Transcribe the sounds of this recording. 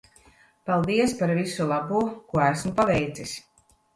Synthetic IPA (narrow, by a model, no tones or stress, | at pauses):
palˠd̪iɛspaɾvisulˠabuːkuɔæsmupavɛjt̪sis